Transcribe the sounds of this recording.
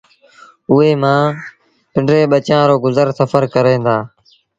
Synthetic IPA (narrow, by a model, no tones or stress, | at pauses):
ʊeːmãː | pɪɳɖɾeːɓət͡ʃãːɾoːɡʊzəɾsəfəɾkəɾẽːnd̪aː